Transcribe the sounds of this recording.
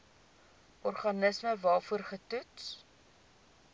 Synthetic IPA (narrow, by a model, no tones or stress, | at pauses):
ʔɔrχɐnəsməvɑːfuərχətuts